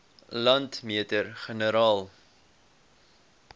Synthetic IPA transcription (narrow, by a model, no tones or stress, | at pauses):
lɐntmiətəɾχənəɾɑːlˠ